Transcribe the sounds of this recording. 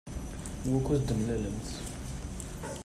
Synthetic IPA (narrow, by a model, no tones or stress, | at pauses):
wækːuθd̪əmlæləmθ